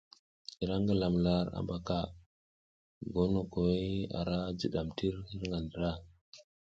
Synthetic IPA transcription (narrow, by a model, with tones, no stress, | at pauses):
i˨ɾa˦ŋɡə˨la˨mla˦ɾa̰˦mba˦ka˦ | ɡo˦no˨ko˨we˦a̰˨ɾa˦d͡ʒə˨ɗa˨mti˦ɾhi˦ɾŋɡa˨ndə˨ɾa˦